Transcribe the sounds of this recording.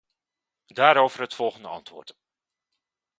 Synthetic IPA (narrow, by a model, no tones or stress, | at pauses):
daːɾowvərɦətfɔlˠχəndəɑ̰ntʋʊ̰ːrt